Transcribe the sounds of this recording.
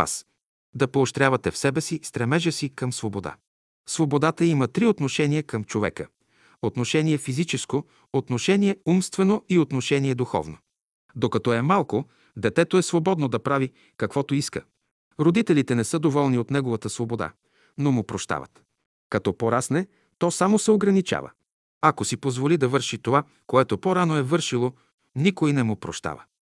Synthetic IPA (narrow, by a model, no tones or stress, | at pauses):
a̰s | d̪ɐpoːʃt̪ɾʲavɐt̪ɛfsɛbɛsist̪ɾɛmɛʒəsikɐmsvobod̪a̰ | svobod̪at̪əimət̪ɾiot̪noʃɛniəkəmt͡ʃovɛ̰kə | ot̪noʃɛniɛfizit͡ʃɛsko | ot̪noʃɛniɛumst̪vɛnoiot̪noʃɛniɛd̪uxɔ̰vno̰ | d̪okɐt̪ɔɛmalˠko | d̪ɛt̪ɛt̪oɛsvobɔd̪nod̪ɐpɾavi | kɐkvɔt̪oiskə̰ | ɾod̪it̪ɛlit̪ɛnɛsɤd̪ovɔlˠniot̪nɛɡovət̪əsvobod̪a̰ | nomʊpɾoʃt̪a̰və̰t̪ | kɐt̪ɔpoɾasnɛ | t̪ɔsamosɛoɡɾɐnit͡ʃa̰və̰ | ɐkosipozvolid̪ɐvɤɾʃit̪ova | koɛt̪opoɾanoɛvɤɾʃilˠo | nikoinɛmʊpɾoʃt̪a̰və̰